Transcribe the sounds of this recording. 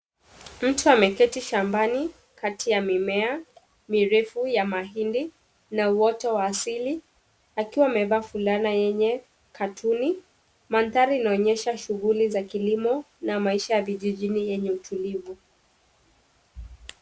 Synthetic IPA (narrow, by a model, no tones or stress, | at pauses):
m̩tuamɛkɛtiʃambani | kʰatijamimɛa | miɾɛfujamaɦindi | nauwɔtɔwaːsili | akiwaːmɛvafulanajɛɲɛ | kʰatʰuni | manθaɾiːnaɔɲɛʃaʃuɣulizakilimɔ | namaiʃajaviʄiʄinijɛɲɛutʰulivu